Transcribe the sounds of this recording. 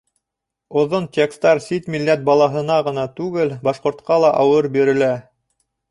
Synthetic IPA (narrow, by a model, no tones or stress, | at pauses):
ŏðont̪ʲekst̪ɑɾsit̪milːæt̪̚bɑlˠɑɦɤ̆nɑʁɤ̆nɑt̪ʉɡɘlbɑʃqŏɾt̪̚qɑlˠɑʔɑwɤɾbiɾɘ̆læ